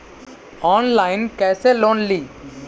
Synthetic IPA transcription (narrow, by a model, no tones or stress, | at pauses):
ɔːnlaːɪnkɛːseloːnliː